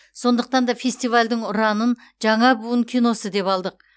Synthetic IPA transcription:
so̞nd̪əq̚t̪ɑnd̪ɑfʲe̞sʲt̪ijvalʲd̪ɪɴʊɾɑnən | ʒɑɴɑbuwəŋkʲʰijno̞səd̪e̞pɑlˠd̪əq̚

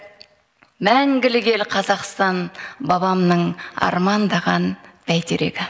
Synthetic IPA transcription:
mæŋɡʲɪlɪɡʲe̞lqʰɑzɑqst̪ɑnbɑbɑmnəɴɑ̰ɾmɑnd̪ɑʁɑnb̥æjt̪eɾe̞̰ɡʲɪ

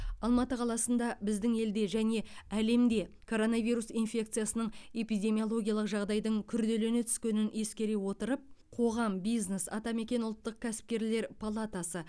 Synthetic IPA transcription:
ɑlˠmɑt̪əqʰɑlˠɑsənd̪ɑbɪzd̪ɪŋe̞ld̪e̞ʒæne̞æle̞md̪e̞ | kʰo̞ɾo̞navijɾusinfʲe̞k̚t̪sɨijasənəɴe̞pijd̪ʲe̞mijolˠo̞ɡʲijalˠəqʒɑʁd̪ɑjd̪əɴkʲʰʏɾd̪e̞le̞ne̞t̪ʰʏ̥skʲe̞nɪne̞skʲe̞ɾe̞wo̞t̪əɾəp̚qʰo̞ʁɑmbijznesɑ̰t̪ɑme̞kʲe̞nʊlˠt̪ːəq̚kʲʰæsɪ̥p̚kʲe̞ɾle̞ɾpʰalˠat̪asə

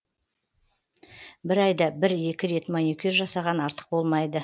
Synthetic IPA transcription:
bɪɾɑjd̪ɑbɪɾje̞kʲɪɾe̞t̪monikʲyɾʒɑsɑʁɑnɑɾt̪ə̥q̚bo̞lˠmɑjd̪ə

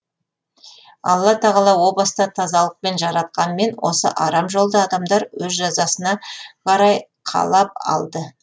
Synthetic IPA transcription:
ɑ̰lˠːɑt̪ʰɑʁɑlˠɑwo̞blˠɑst̪ɑt̪ʰɑzɑlˠəq̚pe̞nʒɑɾɑt̪̚qɑnəme̞nwo̞̰sə̰ʔɑɾɑmʒo̞lˠd̪əɑd̪ɑmd̪ɑɾwɵzʒɑzɑsənɑqʰɑɾɑj | qʰɑ̰lˠɑp̚ɑ̰lˠd̪ə

